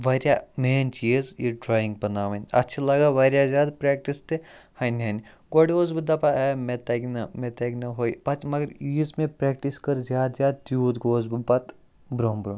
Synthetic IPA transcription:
ʋɐɾʲjameːnt͡ʃiːzjiɖɾaːjĩŋɡpɐnaːʋɐnɐ̰tːʃʰalɐɡaʋɐːɾʲjazjaːd̪pɾeːk̚ʈist̪ehɐnɦɐn | ɡoɽɡoːzbid̪ɐpaɛmet̪ɐɡnɐmet̪ɐɡnɐɦoːipɐt͡ʃmɐɡəɾismẽpɾeːk̚ʈiskɐɾzjaːd̪zʲjaːd̪̚t̪juːd̪ɡoːzbibɐt̪ | bɾoːmbɾõːn

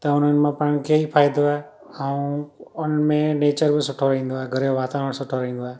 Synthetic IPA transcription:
t̪ɐʊn̤ənɪ̆mãpɐɽ̃kʰeipʰaːɪd̪oaːɦe | aũʊn̤ənɪ̆mẽneːt͡ɕəɾbɪsʊʈʰoɾɐɦĩːn̆d̪oaːɦeɡʱɐɾjoʋaːt̪aːɾəɽ̃sʊʈʰoɾɐɦĩːnd̪oaːɦe

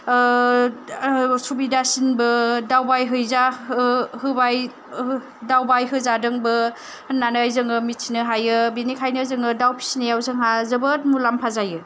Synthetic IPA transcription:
subidasinbɯdawbajɦɯjza | hɯbaj | dawbajɦɯzadɯŋbɯ | nːanajzɯŋɯmitsʰinɯɦajɯbenikʰajnɯzɯŋɯdawpʰi̥snejawzɯŋɦazɯbɯt̚mulampʰazajɯ

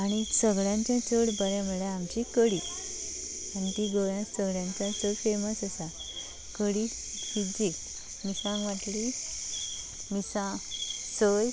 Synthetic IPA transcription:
aɽ̃isəɡɭjãɲt͡ɕjat͡səɽbəɾɛ̃məɭeamt͡ɕikəɽi | anit̪iɡojãsəɡɭjãɲt͡ɕjat͡səɽfeməsəsa | kəɽi | kid͡ʑi | misãŋɡʋaʈli | misãsəj

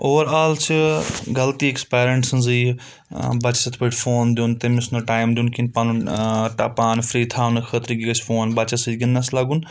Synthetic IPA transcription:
oːɾaːlt͡ʃʰɡɐlt̪iːekspeːɾeɳʈsənziː | bɐt͡ʃsɐt̪ʰpəʈʰfʰoːnd̪juːnt̪eːmisnoːʈaːjmd̪ʲjuːnkinpaːnuʈaːpaːnfʰɾiːt̪ʰaːnkʰət̪ɾiɡiɡət͡ʃʰfʰoːnbɐt͡ʃɐsid͡ʒɡɐnd̪aslaːɡun

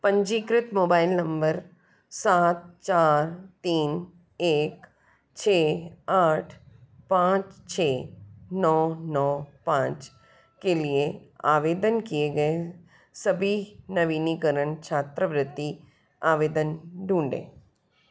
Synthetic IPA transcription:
pə̃ɲd͡ʒiːkɾɪt̪moːbaːɪlnɐ̃mbəɾ | saːt̪̚t͡ʃaːɾt̪iːn | eːk | t͡ʃʰeːaːʈʰpãːt͡ʃt͡ʃʰeːnɔːnɔːpãːt͡ʃ | kelieaːʋeːd̪ənkieɡɐe | sɐbʱinɐʋiːnikəɾəɳt͡ʃʰaːt̪ɾəʋɾɪt̪ːi | aːʋeːd̪ənɖʱũːɳɖḛː

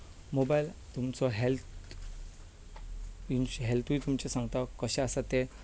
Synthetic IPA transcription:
mobailt̪umt͡sɔɦelt̪ | inɕɦelt̪ʰuʋit̪umt͡ɕesãŋɡt̪akəɕɛ̃əsat̪e

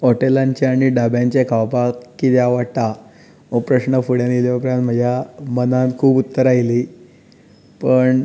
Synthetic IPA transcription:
ɦoʈelãɲt͡ɕeaɽ̃iɖabjãɲt͡ɕekʰaʋpakkːit̪jaʋat̪a | opɾəɕnəfuɽjanjeljopɾãnt̪m̤əd͡ʑʱjamənãnt̪kʰuːbut̪ːəɾaili | pəɳ

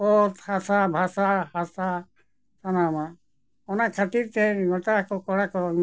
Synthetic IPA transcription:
ɔt̪hasabʱasahasa | sanama | ɔnakʰat̪iɾt̪ɛɡɔt̪akɔkɔɽakɔ

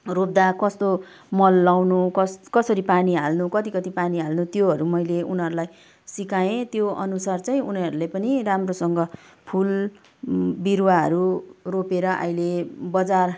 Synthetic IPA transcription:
rop̚d̪akʌst̪o | mʌlːawnukʌskʌsʌɾipaniɦa̰lnukʌt̪ikʌt̪ipaniɦalnut̪joɦʌɾumʌjleunɦʌɾulaj | sikaẽt̪joʔʌ̰nusart͡saĩuniʌɾulepʌniɾamrosʌŋɡʌpʰul | biɾwaɦʌ̰ɾuropeɾʌʔʌ̰jlebʌd͡zar

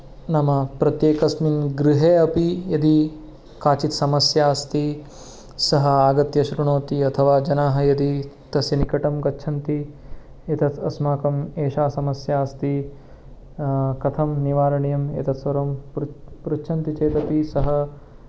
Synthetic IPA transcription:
nɐmɐpɾɐt̪jeːkɐsminɡɾiɦeːɐpijɐd̪i | kaːt͡ʃit̪sɐmɐsjaːst̪i | sɐɦɐ̆aːɡɐt̪jɐʃɾuɳoːt̪iɐt̪ʰɐʋaːd͡ʒɐnaːɦɐ̆jɐd̪i | t̪ɐsjɐnikɐʈɐmɡɐtːʃʰɐnt̪i | et̪ɐt̪ʰɐ̰smaːkɐmeːʃaːsɐmɐsjaːst̪i | kɐt̪ʰɐmniʋaːɾɐɳijɐmḛt̪ɐt̪sʋɐɾɐmpɾutːʃʰɐnt̪it͡ʃeːt̪ɐpisɐɦɐ

